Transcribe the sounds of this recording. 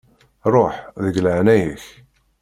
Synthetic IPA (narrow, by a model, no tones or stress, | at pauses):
ɾˤoħðəɡləʕnæjəç